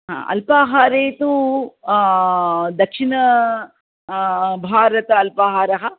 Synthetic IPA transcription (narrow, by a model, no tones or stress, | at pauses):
ɦã̰ːʔɐ̰lpaːɦaːɾeːt̪u | d̪ɐkʂiɳɐ | bʱaːɾɐt̪ɐɐlpaːɦaːɾɐɦɐ